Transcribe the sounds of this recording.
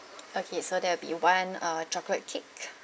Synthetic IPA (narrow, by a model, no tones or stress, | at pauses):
okʰesodɛwɪbḭwãnʌtʰɹɔklət̚kʰɪk